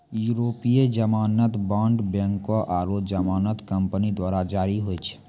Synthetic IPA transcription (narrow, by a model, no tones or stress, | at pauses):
juɾoːpied͡ʒəmaːnət̪bãːɳɖbɛ̃ːŋkoʔaːɾoːd͡ʒəmaːnət̪kə̃mpnid̪waːɾad͡ʒaːɾiɦoet͡ʃʰ